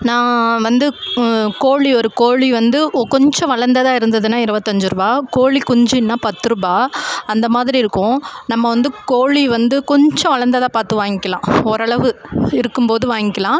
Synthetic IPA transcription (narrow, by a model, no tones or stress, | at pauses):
nãːʋɐnd̪ɯkoːɭiɔɾɯkoːɭiʋɐnd̪ɯkɔɲd͡ʒɔ̃ʋɐɭɐɾnd̪ɐðaːɪɾɯnd̪ɐðɯnːaːɪɾɯʋɐt̪ːɐɲd͡ʒɯɾɯbaːkoːɭikʊɲd͡ʒinːaːpɐt̪ːɯɾɯbaːɐnd̪ɐmaːðɪɾiɪɾɯkːʊ̃nɐmːɐʋɐnd̪ɯkoːɭiʋɐnd̪ɯkɔɲd͡ʒɔ̃ʋɐɭɐɾnd̪ɐðãːpaːɾt̪ɯʋaːŋɡɪkːɐlãːɔɾɐɭɐʋɯɪɾɯkːɯmpoːðɯʋaːŋɡɪkːɐlãː